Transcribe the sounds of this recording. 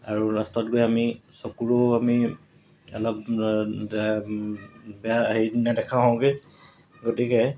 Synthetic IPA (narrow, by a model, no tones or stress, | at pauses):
aɹuɹastɔtɡojamisokuɹuami | ɛlɔp̚ | bɛahejdinadɛkʰaɦɔ̃ʊ̃ɡe | ɡotikɛ